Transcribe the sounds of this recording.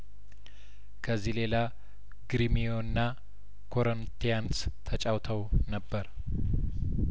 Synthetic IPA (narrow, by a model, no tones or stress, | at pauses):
kʰəzːile̞la | ɡɾimijo̞nːa | kʰoɾont̪ʰijanst̪ʰət͡ʃʼawt̪ʰəwnəbːəɾ